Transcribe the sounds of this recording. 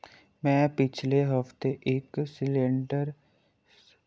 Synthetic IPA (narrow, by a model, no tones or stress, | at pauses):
mɛ̃ːpɪt͡ʃʰleɦəft̪eʔeːksɪlɪ̃ɳɖəɾ